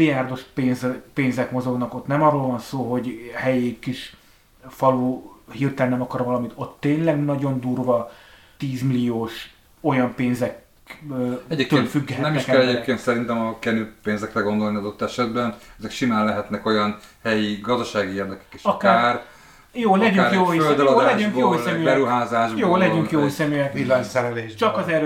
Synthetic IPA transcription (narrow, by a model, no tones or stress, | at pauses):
lijaːrd̪o̞ʃpeːnzɛpeːnzɛkmo̞zo̞ɡnɒko̞t̪nɛmɒrːoːlvɒnsoːɦo̞ɟhɛjikiʃ | fɒluːhiːrt̪ɛlɛnɛmɒkɒɾvɒlɒmit̪o̞t̪ːeːnlɛɡnɒɟo̞nd̪uːrvɒ | t̪iːzmilijoːʃ | o̞jɒmpeːnzɛkː | ɛɟek̪ːt̪øːlfyɡːɛɦɛnɛmniɛʃkɛllɛɟeːp̚keːnt̪sɛɾint̪ɛmɒkɛnypeːnzɛkrɛɡo̞nd̪o̞lniɒd̪o̞t̪ːɛʃɛd̪bɛnɛzɛkʃinaːnlɛɦɛt̪nɛko̞jɒn | hɛjiɡɒzd̪ɒʃaːɡieːrd̪ɛkɛ̥ke̥ʃɒkːar | joːlɛɟyŋkjoːøld̪lɒlɛɟyŋkjoːɛmybɛɾuɦaːzaːʒbjoːlɛɟyŋkjoːsɛmyɛkilːasɛɾɛleːʃt͡ʃɒkɒzɛɾø